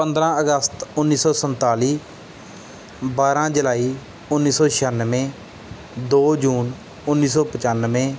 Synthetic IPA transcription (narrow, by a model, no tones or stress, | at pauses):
pə̃nd̪ɾãːəɡəst̪ʊnːiːsɔːsənt̪aːliː | baːɾãːd͡ʒəlaːiː | ʊnːiːsɔːʃʰaːnːʋẽː | d̪oːd͡ʒuːn | ʊnːiːs̬ɔːpət͡ʃaːnʋẽː